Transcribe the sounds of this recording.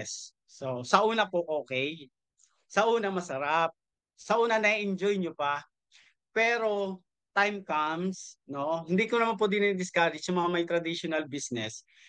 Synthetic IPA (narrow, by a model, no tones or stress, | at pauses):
ɛsː | osɐʔuːnɐpoʔoːkɛj | sɐʔuːnɐmɐsɐɾap̚ | sɐʔuːnɐnɐiʔɪnd͡ʒojɲopɐ | pɛːɾo̞ | t̪ajmkamsno̞hɪnd̪iːkonɐmanp̬od̪ɪnid̪ɪskaɾɪt͡ʃjɐŋmɐŋamɐjt̪ɾɐd̪iʃonɐlbisnɛs